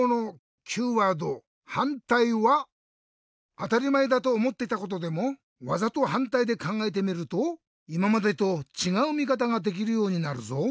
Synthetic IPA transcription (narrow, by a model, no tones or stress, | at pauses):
no̞ | kʲʰɨːβad̪o̞ | hãnt̪aiβa | t̪aɾʲimaed̪at̪o̞ːmo̞t̪ːe̞it̪ako̞t̪o̞d̪e̞mo̞ | βazat̪o̞hãnt̪aid̪e̞kãŋɡae̞t̪̬e̞mʲiɾɯ̟t̪o | imamad̪et̪o̞t͡ɕiɡaɯ̟mʲikat̪̬aɡad̪e̞k̬ʲiɾɯ̟jo̞ːɲ̟inaɾɯ̟̰zo